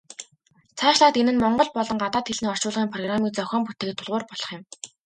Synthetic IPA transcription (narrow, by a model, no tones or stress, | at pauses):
t͡sʰaːʃɮaːt̪enɘ̆nmɔɴɢɞ̆ɮpɔɮɞ̆ŋɢat̪aːt̪xeɮniːɔ̥t͡ɕʊːɮʁiːŋpʰrɔɣramiːt͡sœxʲɔːmput̪eːkɘt̪ʰːʊɮʁʊːrpɔɮ̥ɞ̥̆χjɪ̆m